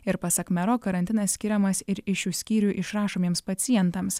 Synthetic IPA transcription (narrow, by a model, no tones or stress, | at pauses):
ɪɾpɐsɐkmʲɛɾoːkɐɾɐnʲt̪ʲɪnɐsʲsʲkʲɪɾʲɛmɐsɪɾɪʃjuːsʲkʲiːɾʲuʔɪʃɾɑːʃoːmʲiɛmspɐt̪sʲɪjɛnt̪ɐms